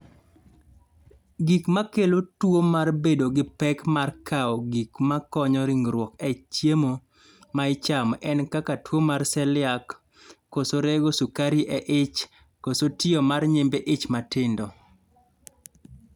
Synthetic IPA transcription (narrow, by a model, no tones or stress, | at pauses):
ɡikmakelotwomarbedoɡɪpɛkmarkʰaɔɡikmakɔɲɔɾɪŋɾwɔkɛt͡ʃjemo | maɪt͡ʃamʔɛnkakatwomarsɛlɪakː | osoɾeɡosukaɾiʔɛʔɪt͡ʃ | kosotɪɔmarɲembeʔɪt͡ʃmatɪndɔ